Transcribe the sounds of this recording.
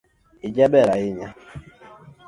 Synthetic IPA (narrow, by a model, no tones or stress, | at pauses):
id͡ʒɛbɛɾaiɲa